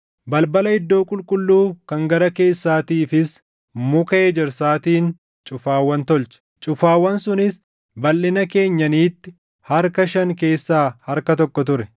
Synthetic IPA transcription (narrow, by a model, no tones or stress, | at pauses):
bɐlbɐlɐɪd̪ːo̞ːkʼʊlkʼʊlːuːkɐŋɡɐɾɐke̞ːsːaːt̪iːfɪs | mʊkɐʔeːd͡ʒɛɾsaːt̪iːn | t͡ʃʼʊfaːwːɐnt̪ɔlt͡ʃɐ̥ | t͡ʃʼʊfaːwːɐnsʊnɪs | bɐlːɪnɐke̞ːɲːɐniːt̪ːɪ | hɐɾkɐʃɐŋke̞ːsːaːhɐɾkɐt̪ɔkːɔt̪ʊɾɛ